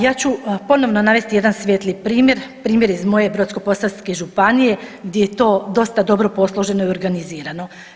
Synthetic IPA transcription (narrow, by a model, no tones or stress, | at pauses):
jaːt͡ɕupo̞no̞ʋnonaʋe̞st̪ije̞d̪ansʋʲjet̪lipɾiːmje̞ɾpɾiːmje̞ɾizmo̞je̞bɾo̞t̪sko̞po̞salske̞ʒupanije̞ɡd̪ʲje̞jet̪o̞ːd̪o̞st̪ad̪o̞bɾo̞po̞slˠoʒe̞no̞io̞ɾɡaniziːɾano̞